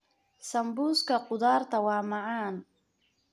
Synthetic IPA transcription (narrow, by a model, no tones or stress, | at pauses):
sɐmbuːskʰɐqʊðaːrt̪ʰɐwɑːmɑʕaːn